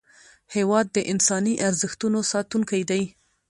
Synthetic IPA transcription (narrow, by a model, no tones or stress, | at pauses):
hewɑd̪ːəʔɪnsɑniʔaɾzɪxt̪unosɑt̪uŋkajd̪aj